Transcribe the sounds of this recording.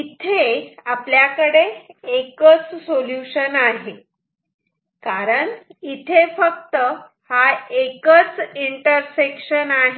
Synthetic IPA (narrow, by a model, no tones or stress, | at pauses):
it̪ʰeapljakəɽeːkət͡ssoljuɕənaɦe | kaɾəɳit̪ʰefəkt̪ə | haekət͡siɳʈəɾsekʂənaɦe